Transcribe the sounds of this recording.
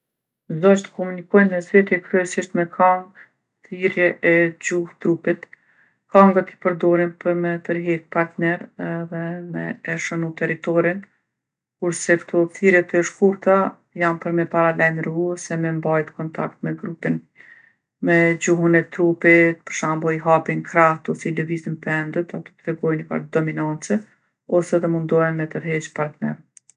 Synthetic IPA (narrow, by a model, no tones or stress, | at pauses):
zzɔt͡ʃt̪ə̥kɔmunikɔjnmɛzɾɛt̪jɛkɾyɛsiʃt̪mɛkʰaŋɡ | θiɾjɛʔɛd͡ʑuht̪ɾupit̪ | kaŋɡat̪i̥pəɾd̪ɔɾinpəɾmɛp̪əɾɦɛk̚paɾt̪nɛɾɛðɛmɛ̰ːʃənut̪ɛɾit̪ɔɾin | kuɾsɛkt̪ʰɔθiɾjɛt̪əʃkuɾt̪a | janpəɾmɛpaɾalajmɾuɔsɛmɛmbajt̪kɔnt̪ʰa̰kt̪mɛɡɾupin | mɛd͡ʑuhunɛt̪ɾupit̪̚pə̥ɾʃambɔjɦapinkɾaht̪ɔsilɛvizənpɛnd̪ət̪at̪ɔ̥t̪ɾɛɡɔjnpa̰ɾd̪ɔminant͡sɛ | ɔsɛðɛmund̪ɔjɛnmɛt̪əɾɦɛt͡ʃpaɾt̪nɛ̰ɾ